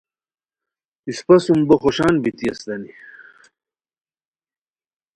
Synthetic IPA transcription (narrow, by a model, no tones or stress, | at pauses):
ispɐsumbɐxoɕaːnbit̪iɐsd̪ɐni